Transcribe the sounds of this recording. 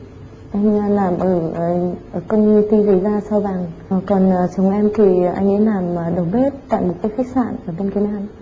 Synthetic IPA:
ʔa˧jŋ̟˧laː˨˩mʔəː˧˩˨ʔəː˧˩kə˧wɲɨ˧t̪i˧zə˧˨˩zaː˧sa˧wvaː˨˩ŋkɔ˨˩nə˨˩t͡ɕə˨˦wŋ͡mʔɛ˧mt̪ʰi˨˩ʔa̰˧jŋ̟ʔə˨˦jlaː˨˩mə˨˩ɗə˨˩wɓe˦˥t̚t̪a̰ː˧˨jmo˨˩kaː˨˦jxa˦˥k̟̚sa̰ː˧˨nʔəː˧˩ɓe˧nki˨˦nhaː˧˩n

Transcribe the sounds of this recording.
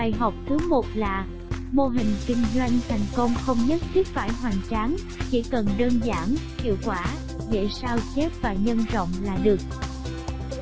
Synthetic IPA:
aː˨˩jɦa˨˩wk͡p̚ku˨˦jmo˨˩t̚laː˨˩ | mo˧ɦï˨˩ŋ̟kï˧ŋ̟zwa˧jŋ̟t̪ʰa˨˩jŋ̟kə˧wŋ͡mxə˧wŋ͡mɲə˦˥t̚t͡ɕɨ˦˥k̚faː˧˩jɦwaː˨˩nt͡ɕaː˨˦n | t͡ɕḭ˧˥kə˨˩nɗəː˧nzaː˧˩nkḭ˧˨wkwaː˧˩ | zḛ˧˨saː˧wt͡ɕɛ˦˥p̚vaː˨˩ɲə˧nzo̰˧˨wŋ͡mlaː˨˩ɗɨ˨˩ək̚

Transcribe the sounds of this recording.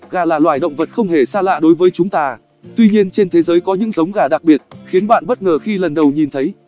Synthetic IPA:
ɣaː˨˩laː˨˩lwaː˧˩jɗə̰˧˨wŋ͡mvə˨˩t̚xə˧wŋ͡mɦe˧˩saː˧la̰ː˧˨ɗo˨˦jvəː˨˦jt͡ɕʊ˨˦ŋ͡mt̪aː˧ | t̪wi˧ɲi˧ənt͡ɕe˧nt̪ʰe˨˦zəː˨˦jkɔ˨˦ɲɨ̰˧˥ŋzə˨˦wŋ͡mɣaː˧˩ɗa˨˩k̚ɓi˨˩ət̚xi˨˦ənɓa̰ː˧˨nɓə˦˥t̚ŋəː˨˩xi˧lə˨˩nɗə˨˩wɲi˨˩nt̪ʰə˨˦j

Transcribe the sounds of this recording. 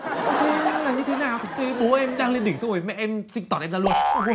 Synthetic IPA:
t̪ʰi˧laː˨˩ɲɨ˧t̪ʰe˨˦naː˨˩wt̪ɨ˨˩˦ɓo˨˦ʔɛ˧mɗaː˧ŋlnɗi˧˩ŋsŋ͡mvə˨˩jmɛ̰˧˨ʔɛ˧msï˧ŋ̟t̪ɔ˨˩nʔɛ˧mzaː˧lu˧ən

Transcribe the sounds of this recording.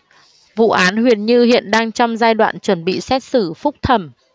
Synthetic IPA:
vṵ˧˨ʔaː˨˦nhwi˧˩ənɲɨ˧hḭ˧˨ənɗaː˧ŋt͡ɕɔ˧wŋ͡mzaː˧jɗwa̰ː˧˨nt͡ɕwə˧˩nɓḭ˧˨sɛ˦˥t̚sɨ˧˩fʊ˦˥k͡p̚t̪ʰə˧˩m

